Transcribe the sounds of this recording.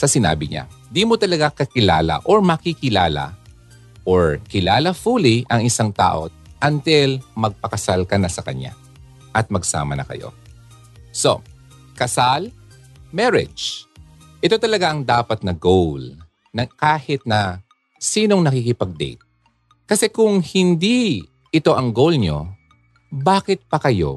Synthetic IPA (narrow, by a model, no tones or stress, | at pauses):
sɐsɪna̰ːbɪɲa̰d̪imot̪ɐlɐɡakɐkɪla̰ːlɐ̰ʔoɹmɐkikɪlaːlɐ̰ | ʔoɹkɪlaːlɐfuliʔɐŋɪsaŋt̪a̰ːʔo̞̰ | ʔɐnt̪ɪlmɐɡ̚pɐkɐsalkɐnɐsɐkɐ̰ɲa̰ | ʔɐt̪̚mɐɡsa̰ːmɐnɐ̰kɐ̰jo̞̰ | so̞̰ | kɐsal | mɛɹɪ̰d͡ʒ | ʔɪt̪o̞t̪ɐlɐɡaʔɐŋd̪aːpɐt̪̚nɐɡowl | nɐkaːhɪt̪̚nɐ | siːno̞ŋnɐkikɪpɐɡ̚d̪ɛ̰jt̪̚ | kɐsɛkʊŋhɪnd̪i | ʔɪt̪o̞ʔɐŋɡolɲo̰ | baːkɪt̪̚pɐkɐjo̰